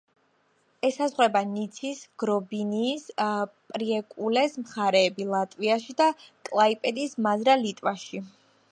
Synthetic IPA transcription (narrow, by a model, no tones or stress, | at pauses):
ɛsazʁwɛbanit̪sʰisɡ̥ɾɔbiniːspʼɾiɛkʼulɛsmχaɾɛːbilˠat̪ʼviaʃid̪akʼlˠaipʼɛd̪ismazɾalit̪ʼvaʃi